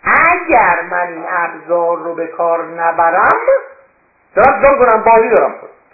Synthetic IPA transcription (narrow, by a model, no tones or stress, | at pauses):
ʔæɟæɾmæninæbzɒːɾːobe̞kʰɒːɾnæbæɾæm | d̪̥ɒɾæmzoːmkonæmbɒːziːd̪ɒːɾæmko